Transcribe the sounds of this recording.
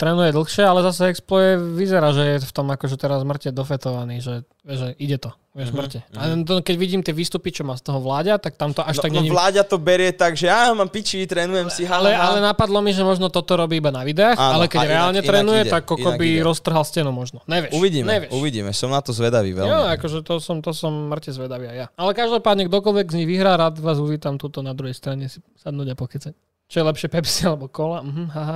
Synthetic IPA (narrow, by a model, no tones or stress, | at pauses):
t̪ɾɛːnujɛd̪l̩xʃɪɛalɛzasɛɛksplɔjɛʋizɛɾaːʒɛjɛft̪ɔmakɔʒɛt̪ɛɾazzmr̩cɛd̪ɔfɛt̪ɔʋaniːʒɛ | ʋɪɛʒɛʔiɟɛt̪ɔ | ʋɪɛʒzmr̩cɛat̪ɔkɛɟʋiɟiːmt̪ɪɛʋiːst̪upit͡ʃɔmaːst̪ɔɦɔʋlaːɟat̪ak̚t̪amt̪ɔʔaʃt̪aɡɲɛɲilaːɟat̪ɔbɛɾɪɛt̪aɡʒɛjamampit͡ʃiit̪ɾɛːnujɛmsiɦalɛalɛnapad̪lɔmiʒɛmɔʒnɔt̪ɔt̪ɔɾɔbiːibanaʋid̪ɛaːxalɛkɛɟɾɛaːlɲɛt̪ɾɛːnujɛt̪akːɔkɔbiɾɔst̪r̩ɦalscɛnumɔʒnɔɲɛʋɪjɛuʋiɟiːmɲɛʋjɛuʋiɟḭmɛsɔmnat̪ɔzʋɛd̪aʋḭʋɛ̰lɔakɔʒɛt̪ɔsɔmt̪ɔsɔmmr̩cɛzʋɛd̪aʋiajaalɛkaʒd̪ɔpaːd̪ɲɛɡ̚d̪ɔkɔlʋɛɡzɲiɣʋiɦɾaːɾaːt̪ʋaːzuʋiːt̪amt̪ut̪ɔnad̪ɾuɦɛjst̪ɾaɲɛsi̥sad̪nuːɟapɔxit͡sac | t͡ʃɔjɛlɛpʃɪɛpɛpsialɛbɔkɔlam̩ɦm̩ɦaɦa